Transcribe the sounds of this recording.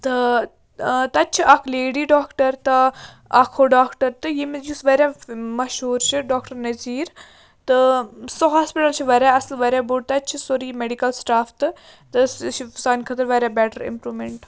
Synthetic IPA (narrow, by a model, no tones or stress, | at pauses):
t̪ɨ | t̪ɐt͡ʃʰiʔɐkʰleːɖiːɖaːkʈɐɾt̪ɐ | ɐkʰoɖaːkʈɐɾt̪ɨjimjusʋɐɾʲjaːmɐʃɦuːɾt͡ʃʰiɖaːkʈɐɾnɐziːɾ | t̪ɨsoɦaːspiʈɐlt͡ʃʰiʋɐɾaɐslʋɐɾʲjaːbuɖt̪ɐt͡ʃʰisoɾiːmeɖikɐlsʈaːft̪ɨ | t̪ɨt͡ʃʰisaːnkʰɐt̪əɾʋɐɾjaːbɛːʈəɾɪ̰mpɾuːmeɳʈ